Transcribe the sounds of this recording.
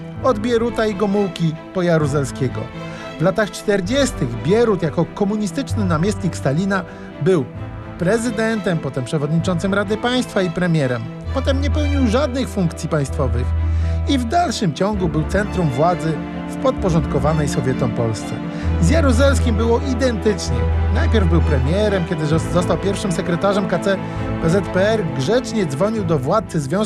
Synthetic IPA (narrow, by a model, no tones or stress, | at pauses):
ɔd̪bʲjɛɾut̪aiɡɔmuwkʲipɔjaɾuzɛlskʲɛɡɔ̰ | vlat̪axt͡ʂt̪ɛɾd͡ʑɛst̪ɘɣbʲjɛɾut̪jakɔkɔmuɲist̪ɘt͡ʂnɘnamʲjɛst̪ɲikst̪alʲina | bɘw | pɾɛzɘd̪ɛnt̪ɛmpɔt̪ɛmpʂɛvɔd̪ɲit͡ʂɔnt̪sɘmɾad̪ɘpaj̃st̪faipɾɛmʲjɛɾɛm | pɔt̪ɛmɲɛpɛwɲiwʐad̪nɘxfuŋkt̪sʲipaj̃st̪fɔvɘxivd̪alʂɘmt͡ɕɔŋɡubɘwt̪sɛnt̪ɾumvwad̪zɘ | fpɔt̪̚pɔʐɔnt̪̚kɔvanɛjsɔvʲjɛt̪ɔmpɔlst̪sɛ̰ | zjaɾuzɛlskʲimbɘwɔʔid̪ɛnt̪ɘt͡ʂɲɛnajpʲjɛɾvbɘwpɾɛmʲjɛɾɛmkʲɛd̪ɘzɔst̪awpʲjɛɾfʂɘmsɛkɾɛt̪aʐɛmkat̪sɛ | pɛzɛt̪pɛɛɾɡʐɛt͡ʂɲɛd̪zvɔɲiwd̪ɔvwat̪sɘzvʲjɔ̃